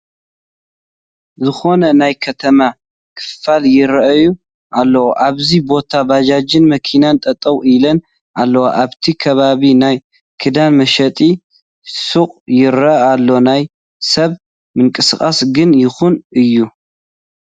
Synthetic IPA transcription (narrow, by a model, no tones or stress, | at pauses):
zɨxo̞nɐnajkʰɐt̪ʰɐma | kʰɨ̥ffaljɪɾɐʔɐju | ʔalːɐwoʔaβzibo̞t̪ʰabad͡ʒad͡ʒɨnmɐkʰinant̪ʼɐt̪ʼɐwʔilɐn | ʔalːɐwaʔaβt̪ʰikʰɐβaβinaj | kʰɨd̪anmɐʃɐt̪ʼi | suχʼjɪɾɐalːo̞naj | sɐβ | mɨŋkʼɨsɨkʼasɡɨnjɪxunʔɨjːu